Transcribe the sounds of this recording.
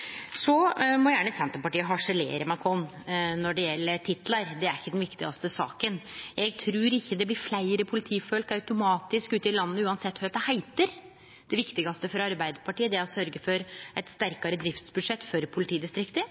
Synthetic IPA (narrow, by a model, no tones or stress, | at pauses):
sɔmɔjæːɳəsɛnt̪əpɑʈiːəɦɑʂəlḛːɾəmɑkʰɾɔn | nɔɖɛjɛlːət̪ʰɪt̪lɑɾd̪ɛæɾɪçːəd̪ɛnʋɪkt̪ɪɡɑst̪əsɑ̰ːkənjɛɡ̚t̪ʰɾʉːɾɪçːəd̪ɛblɪɾflæɪɾəpʰʊlɪt̪ʰiːfœlkɑʉt̪ʊmɑːt̪ɪskʉːt̪ɪlɑnːəːəʉːɑnsɛt̪ːhœd̪ɛhæɪt̪əɾ | d̪̥ɛʋɪkt̪ɪɡɑst̪əfɔɾɑɾbæɪd̪əɾpʰɑʈiːəd̪ɛæɾɔsœɾɡəfɔɾɛɪt̪st̪æɾkɑɾəd̪ɾɪft̪sbʉd̪ʂɛt̪ːfɔɾpʰʊlɪt̪ʰiːd̪ɪst̪ɾɪkt̪ə